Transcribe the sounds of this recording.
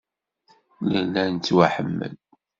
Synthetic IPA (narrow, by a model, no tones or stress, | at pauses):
lælːænt͡sːwaħəmːə̰l